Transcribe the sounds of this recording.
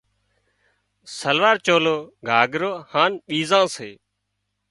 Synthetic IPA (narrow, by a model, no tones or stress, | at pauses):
səlʋaːɾt͡ʃoːloːɡʱaːɡɾoːhaːnɓiːzãːseː